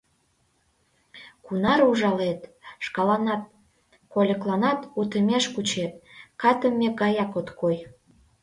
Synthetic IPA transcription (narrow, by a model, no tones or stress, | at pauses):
kunɑɾuʒɑlet̪ʃkɑlɑnɑt̪̚ | kolʲəklɑnɑt̪ut̪əmʲeʃkut͡ɕet̪̚kɑt̪əmːeɡɑjɑkot̪kʰoj